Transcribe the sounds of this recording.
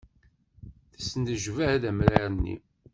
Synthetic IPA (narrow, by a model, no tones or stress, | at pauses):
θə̥sːənd̪əʒvææðæmɾaɾənːḭ